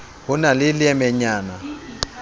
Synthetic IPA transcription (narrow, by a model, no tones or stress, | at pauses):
hʊnalɪlɪɛmɛɲaːna